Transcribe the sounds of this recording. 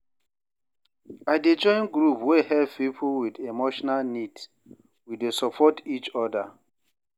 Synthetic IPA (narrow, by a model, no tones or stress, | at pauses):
aɪded͡ʒɔ̃ɪ̃nɡɹupwehɛv̥pipʰowidemoʃɔnalnid | widesɔpʰɔtit͡ʃɔda